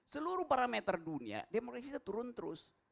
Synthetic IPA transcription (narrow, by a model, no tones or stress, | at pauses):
səluɾupaɾamet̪ərdunia̰demokrasit̪at̪uɾʊnt̪əɾʊs